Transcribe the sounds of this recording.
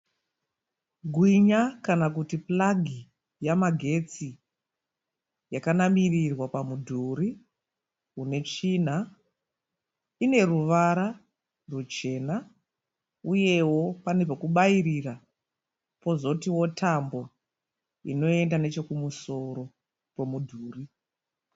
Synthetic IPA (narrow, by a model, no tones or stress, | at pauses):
ɡʱwiɲakanak̬utiplaɡʱi | jamaɡʱe̞t͡si | jakanamirirwapamudʱuɾi | une̞t͡ʂiːn̤a | ine̞ruʋaɾa | rwet͡ʃe̞na | uje̞wo̞pane̞pakuɓaiɾira | po̞zo̞tiwo̞tʰambo̞ | ḭno̞e̞ndane̞t͡ʃe̞kumuso̞ɾo̞ | pomudʱuːri